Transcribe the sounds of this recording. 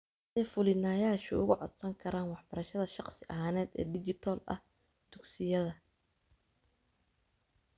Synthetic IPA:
ɛːfʊlɪnaːjaːʃʊʊɣʊʕɔd̪sɐŋkʰɐɾaːnwɑħbɐɾɐʃɐðɐʃɑqsɪʔɐɦaːnɛːd̪ɛ̰ːd̪ɪt͡ʃɪt̪ʰɔːlɐ̰h | d̪̥ʊɡsɪjɐðɐ

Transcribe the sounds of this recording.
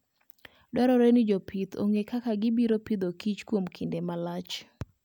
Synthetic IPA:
dwɛɾɔɾenɪd͡ʒopʰit̪o̰ŋekakaɡɪbiɾopid̪okit͡ʃkwomkʰindemalat͡ʃ

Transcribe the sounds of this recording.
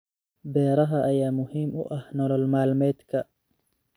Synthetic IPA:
bɛːɾɐɦɐʔɐjaːmʊhiːmʔʊ̰ʔɐhnɔlɔlmaːlmɛːd̪kʰɐ

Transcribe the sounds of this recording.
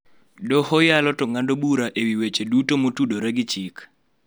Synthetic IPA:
dɔhɔjalɔtɔŋandobuɾaʔewiwet͡ʃedutomotudoɾɛɡɪt͡ʃik

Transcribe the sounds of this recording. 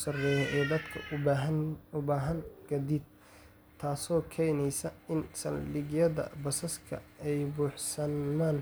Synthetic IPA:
sɐrɛːjɔʔɛːd̪ɐd̪kʰɐʊaɦɐnʊbaːɦɐŋɡ̥ɐd̪id̪̚ | t̪ʰːaːsɔːkʰɛjnɛjsɐɪnsɐ̰llɪɡjɐðɐ̰bɐsɐskʰɐ̰ɛjbuːħsɐaːn

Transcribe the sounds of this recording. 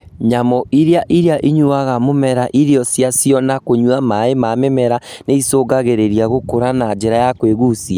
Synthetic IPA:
ɲamɔʔiɾeaʔiɾeaʔiɲuaɣamomɛɾaʔiɾeɔsjasjɔnakoɲwamaemamemɛɾaneisoːɡaɣeɾeɾiaɣokoɾanad͡ʒeɾajakweɣusia

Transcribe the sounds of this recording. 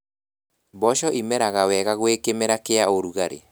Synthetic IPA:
bɔʃɔʔimɛɾaɣawɛɣaɣwekemeɾakeaoɾuɣaɾḛ

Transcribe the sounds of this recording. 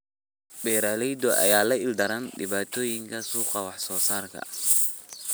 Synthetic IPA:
bɛːɾaːlɛjd̪ɔʔɐ̰jaːlɐɪld̪ɐɾɐnɖɪβaːt̪ʰɔːjɪŋkʰɐsuːqɑwɑħsɔːsaːrkʰɐ̰

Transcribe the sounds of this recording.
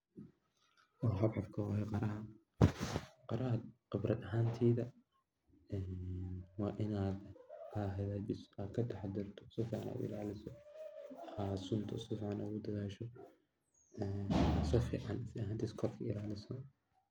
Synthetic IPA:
ɔɦɐbʕɑfkʰɐwɐɦɛqɑɾɐɦɐ | qɑɾɐɦɐqɪbrɐd̪ɐɦaːnt̪ʰiːðɐ | ɛːnwɑːʔɪnaːd̪aːɦɐðaːbɪsʔaːd̪kʰɐt̪ʰɛħɑd̪ɪrt̪ʰɔ̥sɪfiːʕɑnʔa̰ːd̪ɪ̰laːlɪsɔ | asʊnt̪ʰɔsɔfiːʕɑnʔa̰ɣʊd̪ɐðaːʃɔ | ɛːsɔfḭːʕɑnɪsɪɐɦaːnt̪ʰiːskʰɔbkʰɐɪlaːlɪsɔ

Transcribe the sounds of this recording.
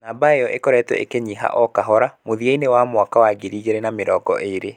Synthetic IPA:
nabaeɔʔekɔɾɛtwɛ̰ekeɲiɦa̰ʔɔkaɦɔɾamoðieinewamwakawaɡiɾiːɡeɾenameɾɔːɡɔʔeɾe

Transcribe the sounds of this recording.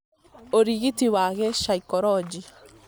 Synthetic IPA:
oɾiɣitiwaːɣɛʃaikɔɾɔd͡ʒi

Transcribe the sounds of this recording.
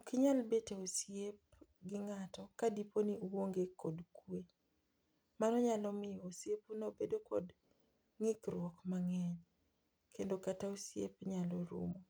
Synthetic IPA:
kɪɲalbeteosjep | ɡɪŋatɔkadiponiuwoŋɡekʰɔdkwe | manɔɲalɔmɪjɔosjepunobedokɔ̰d | ŋɪkɾwɔkmaŋɛɲ | kendokataosjḛpɲalɔɾṵmo

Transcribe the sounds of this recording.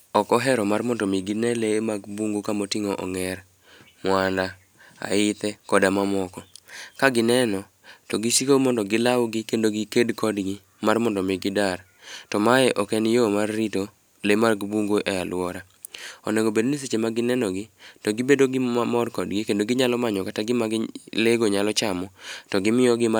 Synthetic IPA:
ɔkɔɦɛɾɔmarmɔndɔmiɡinɛlemaɡbuŋɡokamotɪŋɔʔɔ̰ŋɛɾ | mwanda | a̰ɪt̪ɛkɔdamamɔkɔkaɡɪnɛnɔ | tɔɡisikomɔndɔɡɪlawɡɪkendoɡikedkɔdɡɪ | marmɔndɔmɪɡɪdar | tɔmajɛʔɔkɛnjomarːito | lemarɡɪbuŋɡoʔɛalwɔɾa | ɔ̰nɛɡobedonis̬et͡ʃemaɡɪnɛnɔɡɪtɔɡɪbedoɡɪamɔrkɔdɡɪkendoɡɪɲalɔmaɲɔkataɡɪmaɡɪleɡoɲalɔt͡ʃamɔtɔɡɪmɪɔɡɪma

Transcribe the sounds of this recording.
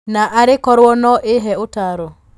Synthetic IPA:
naʔaɾɪkɔɾwɔnɔʔɪɦɛʊtaɾo

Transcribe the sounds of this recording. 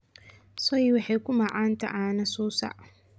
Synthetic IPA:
sɔjwɑħɑjkʊmɑʕaːnt̪ʰɐ̰ʔaːnɐsuːsɐ̰ʔ

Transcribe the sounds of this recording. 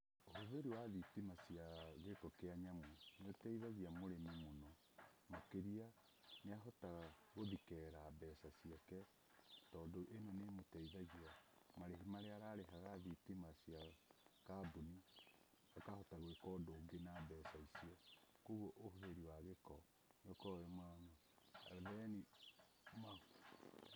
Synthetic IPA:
oɦoðeɾiwaðitimasiaɣekɔkeaɲamweneotɛiðaɣiamoɾemimonɔ | makeɾia | neaɦɔtaɣaɣoðikɛːɾabɛsasiakɛ | tɔːndoʔenɔnemotɛiðaɣiamaɾeɦimaɾeaɾaɾehaɣaðitimasiakabuni | akahɔtaɣwekɔdoːɡenabɛːsaisiɔkoɣoʔohoðeɾiwaɣekɔ | neokɔemwana̰ | ðɛni | ma

